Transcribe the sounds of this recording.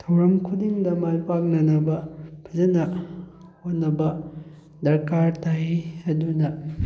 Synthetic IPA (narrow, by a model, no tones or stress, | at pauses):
tʰɐwɾɐmkʰudiŋdɐmajpak̚nɐnɐbɐpʰɐzɐnɐhot̚nɐbɐ | dɐɾkaɾtaɦiɐdunɐ